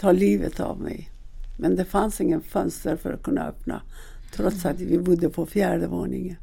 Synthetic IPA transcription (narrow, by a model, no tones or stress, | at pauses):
t̪ʰɑːliːvə̰t̪a̰vmɛ̰j | mɛnd̪ɛfansɪŋːənfœnst̪əɾfœɾat̪̚kʰɵnːa̰œpna̰ | t̪ʰɾɔt̪sat̪vɪbʊd̪ːəpʰɔfjæːɖəvoːɳɪŋən